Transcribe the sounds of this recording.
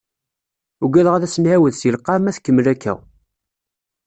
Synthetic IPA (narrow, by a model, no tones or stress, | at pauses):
uɡæləʁæðæsənʕæwəðsilqːɑmæθkːəmːlækːæ̰w